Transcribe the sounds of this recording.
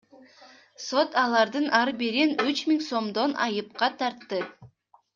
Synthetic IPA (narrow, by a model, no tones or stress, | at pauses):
so̞t̪ɑlˠɑɾd̪ɯnʔɑɾbiɾinyt͡ʃmiŋso̞md̪o̞nʔɑ̰jɯp̚qɑt̪ʰɑɾt̪ːɨ